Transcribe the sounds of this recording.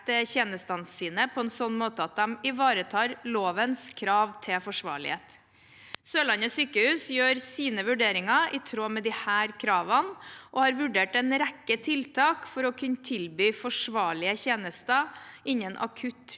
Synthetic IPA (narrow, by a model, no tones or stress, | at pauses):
t̪əçeːnəst̪ɑnsiːnəpʰɔɛnsɔnːmoːt̪əɑt̪̚d̪ɛmɪʋɑːɾət̪ʰɑːɾloːʋənskʰɾɑːʋt̪ʰɪlfɔʂʋɑ̰ːɭɪ̰hḛːt̪ | søːlɑnəsyːkəhʉːsjøːɾsiːnəʋʉɖeːɾɪŋɑʔɪt̪ʰɾoːmɛd̪ɪhæːɾkʰɾɑːʋənʔɔhɑːɾʋʉɖeːʈɛnɾækːət̪ʰɪlt̪ʰɑːkfɔɾɔkʰʉnːt̪ʰɪlbyːfɔʂʋɑːɭɪəçeːnəst̪əʔɪɲːənʔɑ̰kʰʉt̪